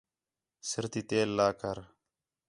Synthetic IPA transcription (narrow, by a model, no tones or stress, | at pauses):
sɪɾt̪iːt̪eːlːaːkəɾ